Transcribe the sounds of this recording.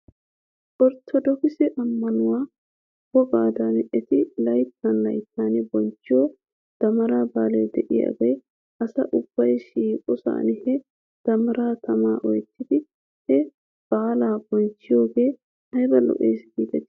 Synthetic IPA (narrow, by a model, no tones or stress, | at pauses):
ʔɔɾt̪ʰːɔd̪ɔkɪsɛʔɐmːɐnʊwaː | b̥ɔbaːd̪anɛʔɛt̪ɪlɐjt̪ʰːanlɐjt̪ːaːnɛbɔnt͡ʃːɪjɔ | d̪̥ɐmɐɾaːbaːlɛd̪ɛʔɪja̰ɡej | ʔɐsɐ̰ʔʊb̥ːɐjʃiːkʼɔsa̰ːnɛhɛ | d̪̥ɐmɐɾaːt̪ʰɐmaːʔɔjt̪ːɪd̪ɪ | hɛ | b̥aːlaːb̥ɔnt͡ʃːɪjo̞ːɡe̞ː | hɐjbɐlɔ̰ʔḛːsɡiːd̪ɛt̪ː